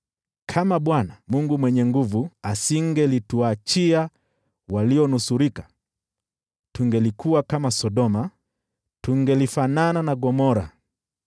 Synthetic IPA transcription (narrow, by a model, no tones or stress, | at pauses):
kʰamaɓwanamuŋɡumwɛɲɛŋɡuvuasiŋɡɛlituat͡ʃia | waliɔnusuɾikḁ | tuŋɡɛlikuwakamasɔɗɔma | tuŋɡɛlifanananaɡɔmɔɾa̰